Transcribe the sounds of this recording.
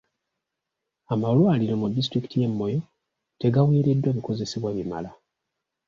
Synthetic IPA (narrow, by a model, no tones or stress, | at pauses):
amalwaːliɾo̞mudːis̬tɾiki̥tʰije̞mːo̞jo̞ | te̞ɡawiːɾe̞dːwaːβiko̞ze̞siβwaβima̰la